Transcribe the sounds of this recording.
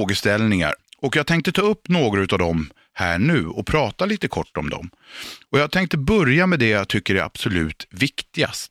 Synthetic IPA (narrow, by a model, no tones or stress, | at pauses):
ɡəst̪ɛlnɪŋa̰ɾɔkjɑːɡt̪ʰɛŋkt̪ət̪ʰɑːɵpːnoːɡɾʉ̟t̪avd̪ɔm | hæ̰ːɳʉ̟ːɔpʰɾɑːt̪aliːt̪əkʰɔʈːɔmd̪ɔ̰m | ɔjɑːɡ̚t̪ʰɛŋkt̪əbœɾjamɛd̪ɛjaɡt̪ʰʏkːəɖɛa̰b̥sɔlʉ̟̰ːt̪vɪkt̪ɪɡa̰st̪